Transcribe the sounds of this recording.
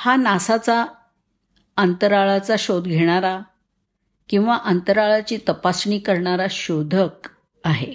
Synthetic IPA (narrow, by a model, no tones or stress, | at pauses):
hanasat͡sa | ənt̪əɾaɭat͡saɕod̪ɡʱeɽ̃aɾa | kĩw̃ʋaʔənt̪əɾaɭat͡ɕiːt̪əpasɳiːkəɾɳaɾaɕod̪ʱək | aɦḛ